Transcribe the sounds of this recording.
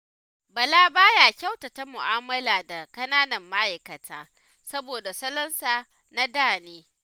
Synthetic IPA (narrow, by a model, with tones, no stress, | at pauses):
bɐ˨laː˦baː˦ja˨kʲa˦wta˨ta˦mʊ˨ʔaː˦mɐ˦laː˨da˨kɐ˦naː˦nɐ˨mːɐ˦ʔa˨jkɐ˨tʰaː˦ | sɐ˦boː˨da˨sɐ˦lɐ˦nsaː˨ | na˦daː˦˨neː˦